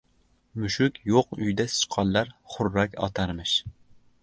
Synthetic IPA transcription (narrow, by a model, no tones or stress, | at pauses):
muʃykʲʰjoqyjd̪ɛsɨ̥t͡ʃqʰɑlˠːɑɾχʊɾːɑkʲɑ̰t̪ʰɑɾmɨʃ